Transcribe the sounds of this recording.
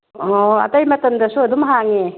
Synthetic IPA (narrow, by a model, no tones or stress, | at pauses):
ɔɐ̰tɐjmɐtɐmdɐsuɐdumɦaŋe